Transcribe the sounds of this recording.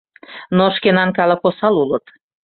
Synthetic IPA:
noʃkenɑnkɑlə̆posɑlulət̪

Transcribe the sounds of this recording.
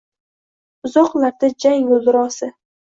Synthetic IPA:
ʊzɒqlˠaɾd̪ad͡ʒajbolˠd̪ɪɾɒsɪ

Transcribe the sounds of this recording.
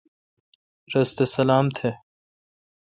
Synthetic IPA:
ɾɐst̪esɐlaːmt̪ʰe

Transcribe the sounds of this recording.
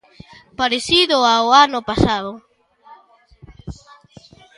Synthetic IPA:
paɾeθiðʊaoanʊpasaðʊ

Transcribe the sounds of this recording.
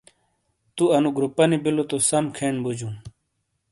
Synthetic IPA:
t̪uɐnuɡɾupɐnibilot̪osɐmkʰeːɳbud͡ʑun

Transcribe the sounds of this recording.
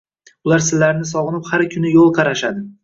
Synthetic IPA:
ʊlaɾsɪlːaɾnɪsɒʁɨnɪphaɾkʲʰʊnɪjolˠqʰɑɾaʃad̪ɪ

